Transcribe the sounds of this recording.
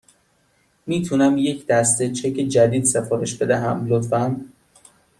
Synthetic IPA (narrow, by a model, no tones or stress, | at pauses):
miːt̪ʰunæmje̞cʰd̪̥æst̪et͡ʃʰecʰed͡ʒæd̪iːd̪sefɒːɾe̞ʃbe̞d̪æɦæmlot̪fæn